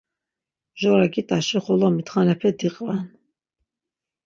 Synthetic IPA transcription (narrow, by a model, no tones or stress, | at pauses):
ʒɔɾaɡit̪ʼaʃiχɔlamit̪χanɛpʰɛd̪iqʼvan